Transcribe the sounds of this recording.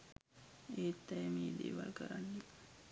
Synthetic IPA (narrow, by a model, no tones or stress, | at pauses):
eːt̪ːɛjəmiːd̪ḛːʋalkəɾanːi